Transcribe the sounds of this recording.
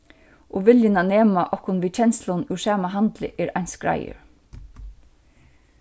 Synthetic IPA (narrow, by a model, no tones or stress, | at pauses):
ʔoːʋɪljənɑneːmɑʔɔkʊnʋiːt͡ɕʰɛnslʊnuːʃæːmɑɦɑnd̪lə̰ʔeːɾʔaɪnskɹɑ̰ɪə̰ɹ